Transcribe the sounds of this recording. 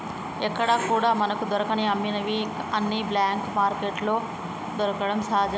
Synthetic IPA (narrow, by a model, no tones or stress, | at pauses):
ekəɽaːkuːɽaːmɐnəkʰd̪ʊɾkəɽ̃iɐminɐʋiɐnːiblɛːŋkmaːɾkeːʈloː | d̪ɔɾkəɽəmsaːd͡ʒ